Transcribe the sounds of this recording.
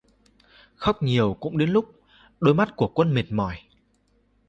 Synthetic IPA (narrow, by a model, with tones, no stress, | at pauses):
xə˦˥wk͡p̚ɲi˨˩əwkʊ̰˧˥ŋ͡mɗe˨˦nlʊ˦˥k͡p̚ | ɗo˨˧˦jma˦˥t̚ku˧˩əkwə˧nmi˨˩t̚mɔ˧˩j